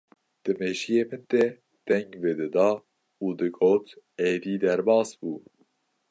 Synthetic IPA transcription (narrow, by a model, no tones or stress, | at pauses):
d̪̥ɨmeːʒijeːmɨnt̪ɛ | d̪̥ɛŋɡved̪ɨd̪ɑː | uːd̪ɨɡoːt̪ | eːd̪iːd̪ɛɾbɑːsbuː